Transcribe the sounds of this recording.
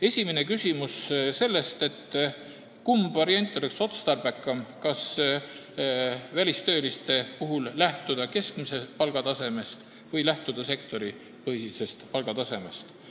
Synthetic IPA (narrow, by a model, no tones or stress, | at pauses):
e̞sʲimene̞kysʲimusse̞lːe̞st̪e̞t̪ː | kumbvɑɾienʲt̪ʲˑːo̞le̞kso̞t̪st̪ɑrb̥ekːˑɑmkɑs | vælʲist̪ø̞ːlist̪e̞puɦullæht̪ud̪̥ɑke̞skmise̞pɑlɡ̥ɑt̪ɑse̞me̞st̪ | vɤjlæht̪ud̪̥ɑse̞kt̪o̞ɾi | pɤhise̞st̪pɑlɡ̥ɑt̪ɑse̞me̞̰st̪